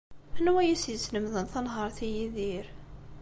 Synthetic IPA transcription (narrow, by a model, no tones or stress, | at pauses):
ənwæjæsjəsːnəmðənθɑnɦəɾˤθijiðiɾ